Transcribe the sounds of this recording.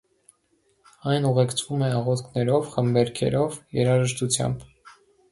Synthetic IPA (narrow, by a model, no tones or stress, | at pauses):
ɑjnuʁɛkt͡sʰvumɛɑʁɔt̪kʰnɛɾɔvχəmbɛɾkʰɛ̰ɾɔvjɛɾɑʒəʃt̪ut͡sʰjɑ̰mb